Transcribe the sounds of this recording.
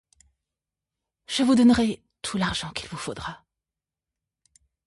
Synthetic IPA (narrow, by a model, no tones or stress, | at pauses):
ʒ̥əvud̪ɔnʁɛ | t̪ʰulaʁʒɑ̃kʲilvufod̪ʁa